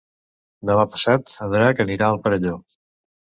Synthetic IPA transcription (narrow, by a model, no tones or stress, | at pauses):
d̪əmapə̥sat̪əðɾakəniɾaəlˠpəɾəʎo